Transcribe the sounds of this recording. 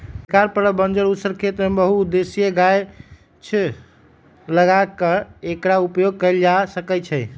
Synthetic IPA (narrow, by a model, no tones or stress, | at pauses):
kaɾpəɾəbənd͡ʒəɾusəɾkʰet̪mebəɦud̪esijeɡaj | t͡ʃʰ | ləɡakəekɾaupjoɡ̚kəɪld͡ʒasəkɛt͡ʃʰɛ